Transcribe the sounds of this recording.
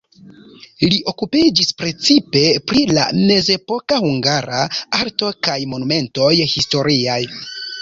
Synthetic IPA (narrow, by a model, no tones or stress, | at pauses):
liʔo̞kupid͡ʒispɾe̞t͡sipe̞pɾila̰me̞ze̞po̞kahuŋɡaɾaaɾto̞kajmo̞nume̞nto̞jhisto̞ɾiaj